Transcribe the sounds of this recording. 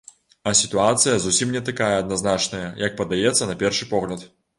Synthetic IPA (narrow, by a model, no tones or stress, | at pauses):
ɐsʲit̪uat̪sɨjɐzusʲimnʲɛt̪akajɛɐd̪̚naznat͡ʂnɐjɐjɐk̚pɐd̪ajɛt̪sːɐnɐpʲɛrʂɨpɔɣlʲɐt̪